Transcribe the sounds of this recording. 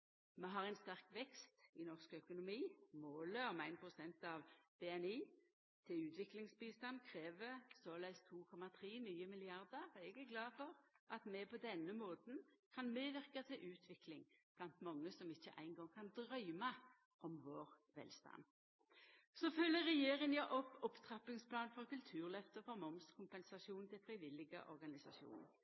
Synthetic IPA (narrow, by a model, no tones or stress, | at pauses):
mɛɦɑʁæɪnst̪æʁkʋɛkst̪ɪnɔʁskœkʊnʊmiːmoːləɔmæɪnpʰʁʊsɛnt̪ɑʋb̥ɛːɛniː | t̪ʰɪlʉːt̪ʋɪklɪŋsbiːst̪ɑnkʰʁeːʋəsɔlæɪst̪ʰuːkʰɔmɑt̪ʰʁiːnyːəmɪlɪɑʁd̪əʁɛɡæɡlɑːfɔʁʔɑt̪mɛpɔd̪ɛnːəmoːt̪n̩kʰɑnmeːʋɪʁkɑt̪ʰɪlʔʉːt̪ʰʋɪklɪŋb̥lɑnt̪mɑŋːəsɔmɪçːəʔæ̰ɪnɡɔŋkʰɑnd̪ɾœʏmɑ | ʔɔmʋoːʁ | ʋɛ̰ːlst̪ɑ̰n | sɔfœlːəɾɛjeːɾɪŋjɑʔɔpːɔpt̪ʰʁɑpɪŋspʰlɑːnfɔʁkʉlt̪ʰʉːʁlœft̪əfɔʁmɔmskʰʊmpɛnsɑʃuːnnt̪ʰɪlfɾɪʋɪlːɪɡə̰ʔɔ̰ɾɡɑnɪsɑʃjṵːn̰